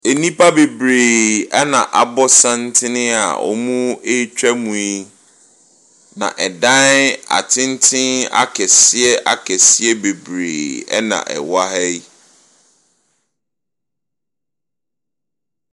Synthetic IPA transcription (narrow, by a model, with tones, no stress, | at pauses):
e˨nĩ˦pʰa˦be˨bɾeː˨ɛ˦nã̰˨ʔa˨bɔ˦sã˦n̩˦tʰɪ˦nɪ̃˦a̰˨ɔ̰˨mũ˦e˦t͡ɕᶣɛ˦mũ˨i˦ | nã̰˨ʔɛ˨dã˦a̰˨tʰɪ̃˦n˦tʰɪ̃˦na̰˦kʰɛ˨sɪ˦ɛ˦ʔa̰˨kʰɛ˨sɪ˦ɛ˦be˨bɾḛː˨ɛ̰˦nã̰˨ʔɛ̰˨wa˦hɛ˦j